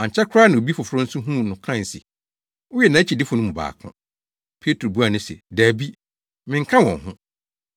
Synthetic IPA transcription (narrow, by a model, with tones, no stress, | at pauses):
ã˨ɲ˨t͡ɕʰɛ˦kʰʊ˦ɾaː˦nã˨o˨bi˦fʊ˨fʊ˨ɾʊ̃˦n̩˦sʊ̃˦ɦũ˦˨nʊ̃˨kʰã˦˨n˨sɛ̰˨ | ʊ˦jɛ˨nã˨˦t͡ɕʰi˨dɪ˦fʊ˨nʊ̃˦m̃˨ba̰ː˨kʰʊ̰̃˦ | pʰe˦tʰɾo˨bu˦a˨nʊ̃˦sɛ̰˨dæː˨bi˦ | mɪ̃˨ŋ̩˦kʰã˦wɔ̰̃˨ŋɦʊ̃˦